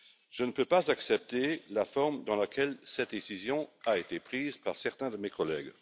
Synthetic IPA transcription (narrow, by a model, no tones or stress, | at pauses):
ʒ̥ənəpøpazaksɛp̚t̪elafɔʁmd̪ɑ̃lakʰɛlsɛt̪̚d̪esizjɔ̃aet̪epχiːzpaʁsɛʁt̪ɛ̃d̪əmekʰɔlɛɡ